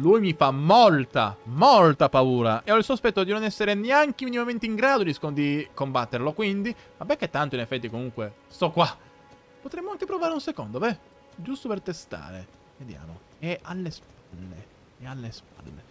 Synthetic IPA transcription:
lujmifamolt̪a̰molt̪apauːɾaʔeɔilsospɛt̪ːod̪inonɛsːeɾeneaŋk̟eminimament̪eiŋɡɾaːd̪od̪iskod̪ikombat̪ːerlokwind̪i | mabɛkːet̪ːant̪oinefːɛt̪ːikomuŋkwe | st̪ɔkːwa | pot̪ɾemːoaŋk̟epɾovaːɾeunsekond̪ovɛ | d͡ʒust̪opert̪est̪a̰ːɾḛ | ved̪ja̰ːmo̰ | ɛalːesp̚ | alːḛ | ealːesp̚a̰lːḛ

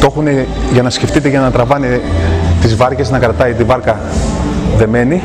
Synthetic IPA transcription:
t̪o̞xune | ʝɐnɐsceft̪it̪eʝɐnɐt̪ɾɐvɐnet̪izvɐɾce̞znɐkɾɐt̪ɐit̪ivɐɾkɐ | ðe̞me̞ni

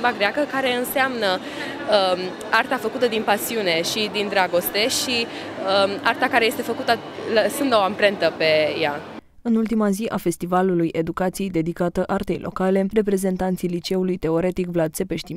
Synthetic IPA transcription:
baɡɾeakəkaɾe̞ɨnseamnə | art̪afəkut̪əd̪inpasiune̞ʃid̪ind̪ɾaɡo̞st̪e̞ʃi | art̪akaɾe̞je̞st̪e̞fəkut̪ə | ləsɨnd̪oampɾe̞nt̪əpe̞ja̰ | ɨnult̪̬imaziʔafe̞st̪ivalulujʔe̞d̪ukat̪siejd̪e̞d̪ikat̪əʔart̪e̞jlʔo̞̰kale̞re̞p̬ɾe̞ze̞nt̪ant̪sijlit͡ʃe̞ulujt̪e̞o̞ɾe̞t̪ikvlad̪se̞pe̞ʃt̪i

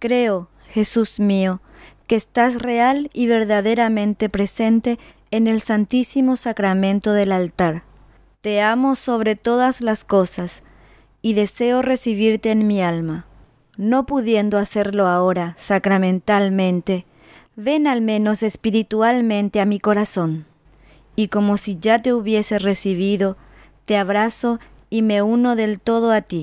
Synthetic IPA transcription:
kɾe̞o | xe̞susmio | keːst̪asre̞aliβ̞e̞ɾðaðe̞ɾamẽ̞nt̪e̞pɾe̞se̞nt̪e̞ː | ne̞lsant̪isimo̞sakɾamẽ̞nt̪o̞ðe̞lalt̪aɾ | t̪e̞amo̞so̞β̞ɾe̞t̪o̞ðazlasko̞sas | iðe̞se̞o̞re̞siβ̞iɾt̪eːnmialma | no̞puðje̞nd̪oase̞ɾlo̞aoɾasakɾamẽ̞nt̪almẽ̞nt̪e̞ | βe̞nalmẽ̞no̞sespiɾit̪ualmẽ̞nt̪eamiko̞ɾaso̞n | iko̞mo̞siʝat̪e̞uβje̞sere̞siβ̞iðo̞ | t̪eaβɾaso̞ | ime̞uno̞ðe̞lt̪o̞ð̞oat̪i

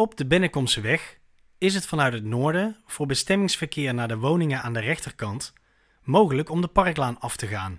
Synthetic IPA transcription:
ɔb̚dəbɪnəkɔmstʋɛx | ɪs̬ɦətfɑnœɥtɦətnʊːɹdəv̥ʊːɹbəstɛmɪŋsfərkɪːɹnaːdəʋownɪŋəaːndərɛxtərkɑnt | mowχələkɔmdəpɑrklaːnɑftəɣaːn

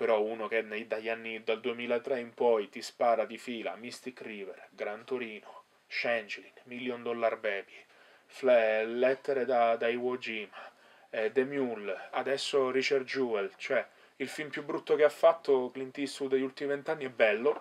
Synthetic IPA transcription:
peɾɔunok̟ened̪aʎːanːid̪ald̪uemiːlaet̪ːɾɛimpɔjt̪ispaːɾad̪ifiːla̰mist̪ikɾiːverɡɾant̪oɾiːno | ʃɛnd͡ʒlinmiljond̪ɔlːarbɛːbi | flɛlɛt̪ːeɾed̪ad̪aiwɔd͡ʒim | d̪emjulad̪ɛsːorit͡ʃard͡ʒuːɛlt͡ʃoɛ | ilfilmpjubːɾut̪ːokeafːat̪ːoklint̪isud̪eʎːult̪imivent̪anːiɛbːɛlːo

